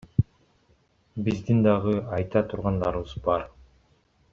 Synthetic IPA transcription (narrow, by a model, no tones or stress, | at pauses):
bizd̪ind̪ɑʁɯɑjt̪ɑt̪ʰuɾʁɑnd̪ɑ̰ɾɯβɯzbɑɾ